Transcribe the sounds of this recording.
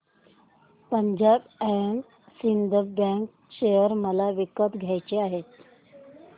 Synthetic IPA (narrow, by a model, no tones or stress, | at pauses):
pəɲd͡ʑabæjən | sind̪ʱəbə̃ŋk̚ | ɕejəɾməlaʋikət̪ɡʱjajt͡ɕeaɦet̪̚